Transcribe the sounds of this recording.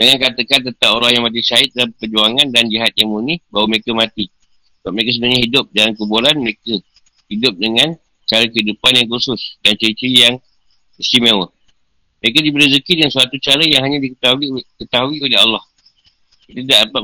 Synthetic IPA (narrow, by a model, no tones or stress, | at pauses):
dəŋankat̪əkant̪ənt̪aŋoɾahjaŋmãt̪̬isaɪt̪̚dalampəd͡ʒuaŋandand͡ʒiɦat̪̚jaŋmunihbawəməɾekəmãt̪i | səbap̚məek̬əsəbənahɲaɦidʊp̚dalamkəbuɾanməɾekə | hidʊp̚dəŋãn | t͡ʃaɾəkəɦidupanjaŋkusʊsdant͡ʃəɾit͡ʃijaŋ | ist̪imewə | məɾekədibəɾizəkidəŋansuat̪ut͡ʃaɾəjaŋɦaɲãdikət̪aikət̪aɦuiolɪɦa̰lːɑh | kit̪ədaʔdəpa